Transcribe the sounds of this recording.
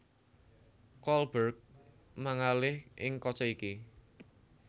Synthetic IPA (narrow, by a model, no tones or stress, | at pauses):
kɔlbərk̚ | maŋalɪhʔɪŋkɔt͡ʃɔiki